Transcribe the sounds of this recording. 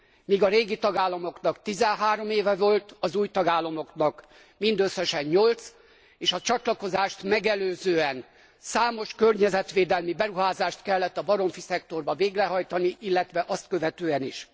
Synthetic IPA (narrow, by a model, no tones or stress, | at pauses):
miːɡɒɾeːɡit̪ɒɡaːlːɒmo̞knɒkt̪izɛnɦaːɾo̞meːvɛvo̞lt̪ɒzuːjt̪ɒɡaːlːɒmo̞knɒk | mind̪øsːɛʃɛɲːo̞lt̪s | eːʃɒt͡ʃɒt̪lɒko̞zaːʃt̪mɛɡɛløːzøːɛn | saːmo̞ʃkørɲɛzɛt̪ʋeːd̪ɛlmibɛɾuɦaːzaːʃt̪kɛlːɛt̪ːɒbɒɾo̞ɱfisɛk̚t̪o̞rbɒveːɡrɛɦɒjt̪ɒniʔilːɛt̪ʋɛʔɒst̪kø̞vɛt̪øːɛniʃ